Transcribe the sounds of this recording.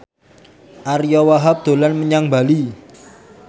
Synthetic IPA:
ʔarjɔwaɦap̚d̪̥o̤lanməɲaŋba̤li

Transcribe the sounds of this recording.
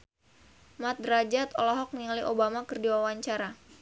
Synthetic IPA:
mat̪̚ɾad͡ʒat̪olɔɦɔk̚niŋaliʔobamakərdiwawaɲt͡ʃaɾa

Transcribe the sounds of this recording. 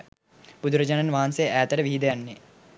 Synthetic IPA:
pud̪uɾɐd͡ʒananʋaːansejʔæːt̪əɾəʋiɦid̪əjanːe

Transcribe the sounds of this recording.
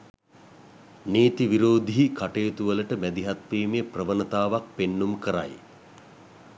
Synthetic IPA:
neːt̪iʋiɾoːd̪iɦikʰaʈeːt̪uʋələʈəmæd̪iɦat̪ʋiːmeprəʋənət̪aːʋak̚penːumkəɾa̰j

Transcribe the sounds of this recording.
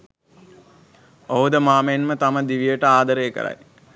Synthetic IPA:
oɦud̪əmaːməenmət̪aməd̪iʋijəʈəaːd̪əɾejːkə̰ɾa̰j

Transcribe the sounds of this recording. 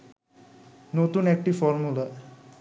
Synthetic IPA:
not̪uːnek̚ʈifɔɾmula

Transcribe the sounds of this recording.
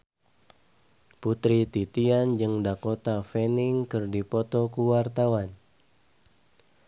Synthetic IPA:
put̪ɾit̪it̪iand͡ʒɨŋdakot̪afɛniŋkɨrdipɔt̪ɔkuwart̪awan

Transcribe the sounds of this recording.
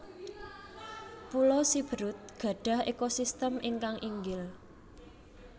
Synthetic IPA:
pulosib̥ə̤ɾʊt̪̚ɡ̥ä̤ɖ̥ä̤hekosist̪əmʔiŋkaŋʔiŋɡɪl

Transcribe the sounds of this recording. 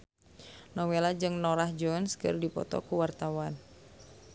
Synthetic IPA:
nɔwelad͡ʒɨŋnɔɾahd͡ʒɔnskɨ̰rdipɔ̰t̪ɔ̰kuwart̪awan

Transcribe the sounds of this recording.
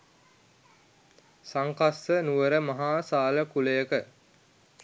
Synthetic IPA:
saŋkasːənuʋəɾəmaɦaːsaːləkuləjəkə

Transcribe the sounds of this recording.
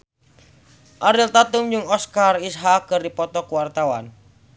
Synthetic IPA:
ʔaɾilt̪at̪umd͡ʒɨŋɔskarisɦakːɨrdipɔt̪ɔkuwart̪awa̰n

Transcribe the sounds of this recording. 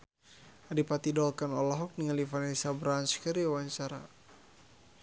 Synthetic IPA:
adipat̪idɔlkanɔlɔɦɔk̚niŋalifanɛsabɾanskəɾiwaɲt͡ʃaɾa̰

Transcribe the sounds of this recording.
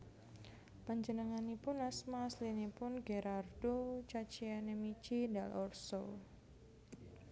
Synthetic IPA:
paɲd͡ʒənəŋanipʊnasmaːslinipʊnɡeɾardot͡ʃat͡ʃianemit͡ʃidalʔɔrso

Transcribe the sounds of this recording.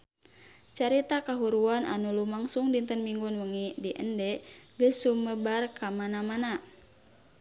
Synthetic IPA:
t͡ʃaɾit̪akaɦuɾuana̰nulumaŋsuŋdint̪ənmiŋɡunwəŋidiʔəndɛɡəsːuməbarkamanamana

